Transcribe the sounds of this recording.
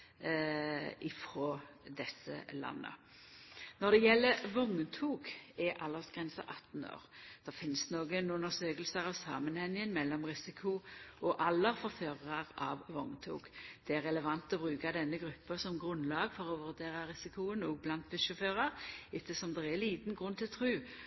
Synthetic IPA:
ʔɪfɾoːd̪ɛsə̰lɑ̰nːə̰ | nɔd̪ɛjɛlːəɾʋɔŋt̪ʰuːɡɛʔɑlːəʁsɡ̥ʁɛnsə̰ʔɑt̪ːno̰ːʁd̪̥ɛʁfɪnsnoːɡənʊnəsøːkəlsəɾɑʋsɑːmənhɛŋːɪənmɛlːɔmʁɪsɪkʰʊɔʔɑlːəʁfɔʁføːʁəʁɑʁɑ̰ːʋʋɔŋt̪ʰṵːɡ̥d̪̥ɛæʁːɛləʋɑnt̪ɔbʁʉːkad̪ɛnːəɡʁʉpːəsɔmɡʁʉnlɑːɡfɔʁɔʋʉʁd̪eːʁɑʁɪsɪkʊənuːɡ̚blɑnt̪̚bɪʃʊføːʁɑʁɪt̪ːəsɔmd̪ɛɛliːt̪n̩ɡʁʉnt̪ʰɪlt̪ʰʁʉː

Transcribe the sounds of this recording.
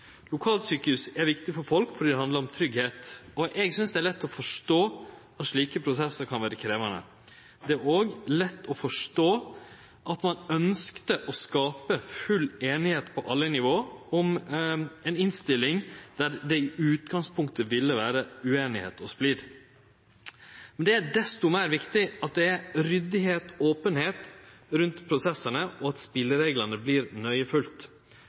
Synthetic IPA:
lʊkʰɑːlsyːkəʉsɛɾʋɪkt̪ɪfɔɾfɔlkfɔɾɖiːd̪ɛhɑnd̪ləɾɔmt̪ʰɾʏɡheːt̪ɔʔɛɡsʏnsd̪ɛæɾlɛt̪ːɔfɔʂʈoː | ɑt̪ʂɭiːkəpʰɾʊsɛsəɾkʰɑnʋæːɾəkʰɾeːʋɑnə̰ | d̪ɛæɾoːɡlɛt̪ːɔfɔʂʈoː | ʔɑt̪mɑnœnskt̪əʔɔskɑːpəfʉlːeːnɪheːt̪pʰɔʔɑlːənɪʋoːɔm | ɛnɪnst̪ɪlːɪŋd̪̥æɾd̪ɛɪʔʉːt̪ɡɑŋspʰʊŋk̚t̪əʋɪlːəʋæːɾəʉeːnɪhḛːt̪ʰɔsplɪɾ | mɛnd̪ɛæɖɛst̪ʊmæɪɾʋɪkt̪ɪɑt̪̚d̪ɛæɾɾʏd̪ɪɦeːt̪oːpənheːt̪ɾʉnt̪pʰɾʊsɛsənəʔɔɑt̪spɪlːəɾeːɡlɑnəbliːɾnœʏəfʉlt̪

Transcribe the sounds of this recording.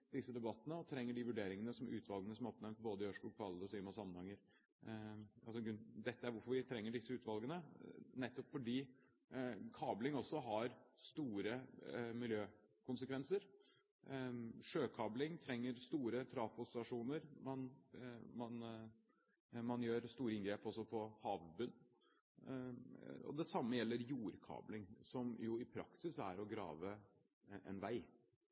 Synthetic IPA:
d̪ɪsːəd̪ɛbɑt̪ːənəɔt̪ʰɾɛŋːəɖɪʋʉɖeːɾɪŋənəsɔmʔʉ̰ːt̪ʰʋɑlɡənəsɔmæɾɔp̚nɛmt̪̚boːd̪əɪœʂʊːkfɑld̪əɔsiːmɑsɑmːənhɑŋːəɾ | ɑlsɔɡɾʉnd̪ɛt̪ːəæɾʋʊɾfɔɾʋɪt̪ʰɾɛŋːəɖɪsːəʉːt̪ʋɑlˠɡənənɛt̪ːɔpfɔɖiː | kʰɑːblɪŋɔsːɔɦɑɾst̪uːɾəmɪljøːkʊnsəkʰʋɛnsəɾ | ʂøːkʰɑːblɪŋt̪ʰɾɛŋːəɾst̪uːɾət̪ʰɾɑːfʊst̪ɑʂuːnəɾmɑnmɑn | mɑnjøːɾst̪uːɾəɪnɡɾeːpɔsɔpʰɔhɑːʋbʉnː | ɔ̰d̪ɛsɑmːəjɛlːəɾjuːɾkʰɑ̰ːblɪŋsɔmjʊɪpʰɾɑ̰ksɪsæ̰ɾɔɡɾɑ̰ːʋə | ʔɛ̰nʋæɪ

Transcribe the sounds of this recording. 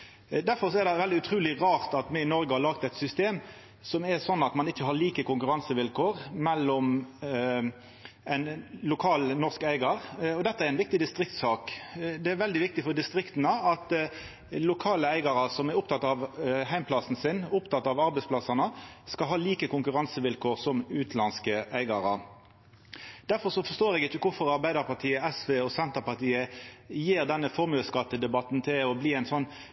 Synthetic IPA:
d̪æɾfɔɾsɔɛɾd̪ɛʋɛld̪ɪʉt̪ʰʁʉːlɪʁɑːʁt̪ɑt̪mɛɪnɔɾɡəhɑɾlɑːɡ̚t̪ɛt̪sʏst̪eːm | sɔmɛɾsɔnːɑt̪mɑnɪçːəhɑɭiːkəkʊŋkʉɾɑnsəʋɪlkʰoːʁmɛlːɔm | æɪnlʊkʰɑːlnɔʁskæɪɡɑʁɔd̪ɛt̪ːəæɾæɪnʋɪk̚t̪ɪd̪ɪst̪ɾɪkt̪sɑːkd̪ɛæɾʋɛld̪ɪʋɪk̚t̪ɪfɔɾd̪ɪst̪ɾɪkt̪ənəɑt̪ | lʊkʰɑːləæɪɡɑɾɑsɔmɛɾʊpt̪ʰɑt̪ːɑʋhæɪmpʰlɑsn̩sɪnʊpt̪ʰɑt̪ːɑʋɑɾbɛɪspʰlɑsɑnəskɑlɦɑːliːkəkʰʊŋkʉʁɑnsəʋɪlkʰoːʁsɔmʉːt̪ʰlɑnskəæɪɡɑɾɑ̰ | d̪̥æɾfɔɾsɔfɔʂst̪oːɾɛɡɪçːəkʰʊfɔɾɑɾbæɪd̪əɾpɑʁt̪ʰiːəɛsʋeːɔsɛnt̪əʁpɑʁt̪iːəjiːʁd̪ɛnːəfɔɾmʉːəskɑt̪ːəd̪ɛbɑt̪nt̪ʰɪlɔbliːæɪnsɔnː

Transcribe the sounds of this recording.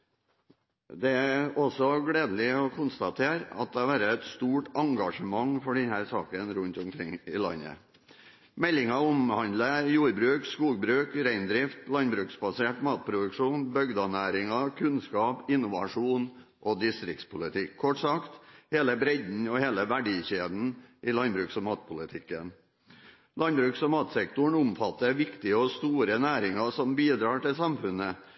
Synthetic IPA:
d̪ɛæɔsɔɡɽeːd̪əl̩ɪɔkʰʊnst̪ɑt̪ʰeːɾɑ̰t̪̚d̪ɛɑʋæːɾəɛt̪st̪uːʈɑŋɡɑʂəmɑŋfɔɖɛnhæːɾsɑ̰ːkənɾʉnt̪ʊmkʰɾɪŋɪlɑ̰nːə̰ | mɛlːɪŋɑʊmhɑnd̪ləjuːɾbɾʉːkskuːɡbɾʉːkɾæɪnd̪ɾɪft̪lɑnbɾʉːksbɑseːʈmɑːt̪̚pʰɾʊd̪ʉkʂuːnbœɡd̪ɑnæːɾɪŋɑkʰʉnskɑːpɪnʊʋɑʂuːn | ʔɔd̪ɪst̪ɾɪk̚t̪spʰʊlɪt̪ʰɪkʰːɔʈsɑkt̪heːləbɾɛd̪n̩ɔheːləʋæɖiːçeːd̪n̩ʔɪlɑnbɾʉːksɔmɑːt̪̚pʰʊlɪt̪ʰɪkːə̰n | lɑnbɾʉːksɔmɑːt̪sɛkt̪ʊɳʊmfɑt̪ːəɾʋɪkt̪ɪəɔst̪uːɾənæːɾɪŋɑsɔmbiːd̪ɾɑːʈɪlsɑmfʉnə

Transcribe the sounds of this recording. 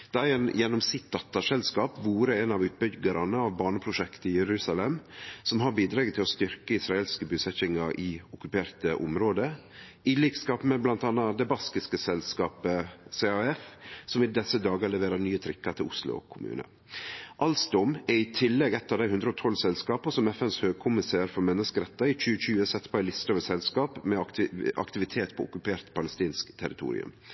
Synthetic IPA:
d̪̥ɛæɾɛnjɛnːɔmsɪt̪̚d̪ɑt̪ːɑʂɛlskɑːpʋuːɾəɛnɑʋʉːt̪̚bʏɡəɾɑnəɑʋbɑːɳəpʰɾʊʂɛkt̪əɪjɛɾʉːsɑlɛmsɔmɦɑɾbiːd̪ɾɑːɡt̪ʰɪlɔst̪ʏɾkəɪsɾɑeːlskəbʉːsɛçɪŋɑɾʔɪɔkʉpʰeːɾt̪əʔɔ̰mɾoːd̪ə | ɪliːkskɑːpmɛblɑnt̪ɑnːɑd̪ɛbɑskɪskəsɛlskɑːpəsɛɑɛfsɔmɪd̪ɛsəd̪ɑːɡɑɭɛʋeːɾɑnyːət̪ʰɾɪkːɑɾt̪ʰɪlʊ̰slʊ̰ɔ̰kʰʊmʉ̰ːnə̰ | ʔɑlsd̪ɔmɛɾɪt̪ʰɪlːɛɡɛt̪ːɑd̪æɪhʉnd̪ɾəɔːt̪ʰɔlsɛlskɑːpəsɔmɛfɛnshøːɡ̚kʰʊmɪseːɾfɔɾmɛnːəskəɾɛt̪ːɑɪc͡çʉːəçʉːəsɛt̪ːpʰɔæɪlɪst̪ɔʋəsɛlskɑːpmɛʔɑ̰kt̪ɪʋɪt̪ʰeːt̪pʰɔʊkʉpʰeːɾt̪pʰɑləst̪iːnskt̪ʰɛɾɪt̪ʰṵːɾɪ̰ʉ̰m

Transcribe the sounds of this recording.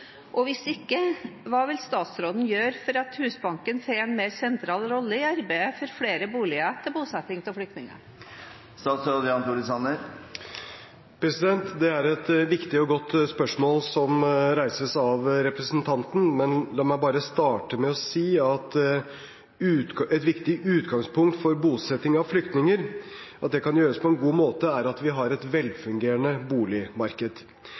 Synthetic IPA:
ʔɔʋɪsɪkːəʋɑːʋɪlst̪ɑːt̪sɾoːd̪n̩jøːɾfɔɾɑt̪hʉːsbɑŋkənseːɛnmeːɾsɛnt̪ʰɾɑːlɾɔlːəɪɑɾbæəfɔɾfɽeːɾəbuːlɪət̪ʰɪlbuːsɛt̪ːɪŋt̪ʰɔlflʏk̚t̪nɪŋə̰ɾ | st̪ɑːt̪sɾoːd̪əjɑnt̪uɾɪsɑnəɾ | pʰɾɛsɪd̪ɛnt̪d̪ɛæɾɛt̪ʋɪkt̪ɪɔɡɔt̪ːspœʂmoːlsɔmɾæɪsəsɑʋɾɛpɾəsnt̪ʰɑnt̪n̩mɛnd̪ɛmɔbɑːɾəst̪ɑːʈəmɛɔsiːɑt̪ | ʉɛt̪ʋɪkt̪ɪʉːt̪ɡɑŋspʰʊŋkt̪fɔɾbuːsɛt̪ːɪŋɑʋflʏkt̪nɪŋəɾʔɑt̪̚d̪ɛkʰɑnjøːɾəspʰɔɛnɡuːmoːt̪əæɾɑt̪ʋɪɦɑɾɛt̪ʋɛlfʉŋɡeːɾənəbuːlɪmɑɾkəd̪̥

